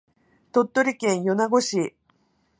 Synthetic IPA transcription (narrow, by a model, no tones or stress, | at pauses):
t̪o̞t̪ːo̞ɾʲikẽ̞ɰ̃jo̞naɡo̞ɕi